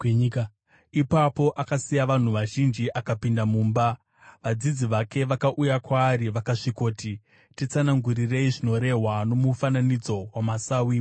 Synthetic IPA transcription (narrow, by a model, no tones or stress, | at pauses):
ɲka | ipapo̞ʔakasijaʋan̤uʋaʒind͡ʒiʔakapindamuːmba | ʋad͡zid͡ziʋake̞ʋakaʔujakwaːriʋakaʂiko̞ːti | tit͡sanaŋɡurire̞iʐino̞ɾe̞ɦwano̞mufananid͡zo̞wamasawi